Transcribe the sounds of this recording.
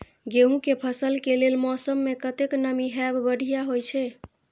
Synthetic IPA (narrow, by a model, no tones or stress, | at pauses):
ɡeɦũkepʰəsəlkelelmɔsəmːekət̪eknəmiɦɛbbəɽ̤ʱijaɦojt͡ʃʰɛ